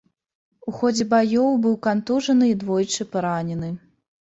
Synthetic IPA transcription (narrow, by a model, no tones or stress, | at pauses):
uxɔd͡zʲɛbajɔwbɨwkant̪uʐɐnɨid̪vɔjt͡ʂɨpaɾanʲɛnɨ